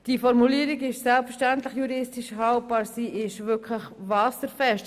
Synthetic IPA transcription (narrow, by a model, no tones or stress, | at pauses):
d̥ifɔɾmuliːəɾiɡɪʃsɛlpfəɾʃtæntləχjuɾɪstiʃhɑlt̚b̥ɑːɾsiʔɪʃʋʏkʰləχʋɑːsəɾfɛʃt